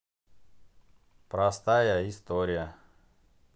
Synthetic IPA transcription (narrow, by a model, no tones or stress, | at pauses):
pɾɐst̪ajəɪst̪oɾʲɪjə